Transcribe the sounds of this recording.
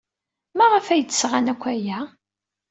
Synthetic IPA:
mæʁəfæjət͡s̪ːə̥sʁanækʷːæjæ

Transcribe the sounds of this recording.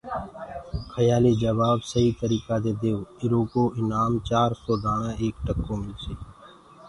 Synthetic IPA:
kʰəjaːleːd͡ʒəʋaːbsəɦiːt̪əɾiːkaːd̪eːd̪eːoːɪɾoːkoːʔɪnaːmt͡ʃaːɾsoːɖ̪aːɽãːeːk̚ʈəkːõːmɪlseː

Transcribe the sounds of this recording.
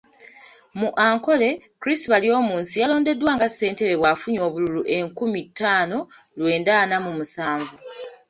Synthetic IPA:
muʔaːŋko̞le̞ | kɾistiβalio̞ːmuːnsijalo̞ːnde̞dːwaːŋɡasːe̞ːnte̞βe̞βwaːfuɲo̞ːβululuʔe̞ŋkumitʰːaːno̞ | lwe̞ːndaːnamumusaːɱvu

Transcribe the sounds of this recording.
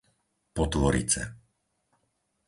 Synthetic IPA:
pɔt̪ʋɔɾḭt͡sɛ̰

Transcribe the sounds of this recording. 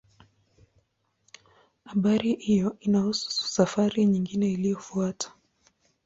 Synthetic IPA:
aɓaɾihijɔinahusu̥u̥safaɾiɲiŋɡinɛilijɔfuatʰḁ

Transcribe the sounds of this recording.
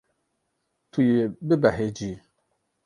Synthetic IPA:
tʰujebebaɦed͡ʒi

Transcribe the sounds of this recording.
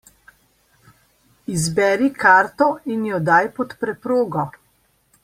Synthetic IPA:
izbɛːɾikʰaːɾt̪ɔinjɔd̪aːjpɔt̪pɾɛpɾoːɡɔ

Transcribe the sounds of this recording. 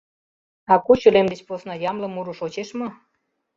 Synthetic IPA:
ɑkuɕylemd̪et͡ɕposnɑjɑmlə̆muɾuʃot͡ɕeʃmo

